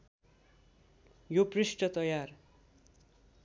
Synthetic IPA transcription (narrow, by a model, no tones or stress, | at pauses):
joprisʈʌt̪ʌjar